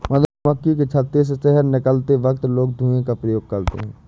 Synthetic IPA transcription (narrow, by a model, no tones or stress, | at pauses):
mɐd̪əməkːik̬et͡ʃʰət̪ːɾes̬esɛɦəɾnɪkəlt̪eʋəkt̪loːɡ̚d̪ʱũːẽkapɾəjoːɡ̚kɐɾt̪ḛɦɛ̃ː